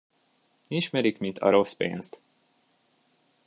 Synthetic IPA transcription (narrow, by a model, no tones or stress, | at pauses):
iʃmɛɾikmint̪ʰɒ̰ɾospḛːnst̪